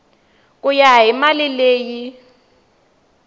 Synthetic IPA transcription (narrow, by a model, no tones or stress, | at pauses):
kʼʊjaɦimalileːji